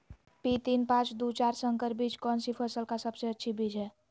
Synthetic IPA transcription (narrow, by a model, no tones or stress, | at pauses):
pit̪inpãt͡ʃd̪ut͡ʃaɾsəŋkəɾbid͡ʒkɔnsipʰəsəlkasəbseətːʃʰibid͡ʒɦɛ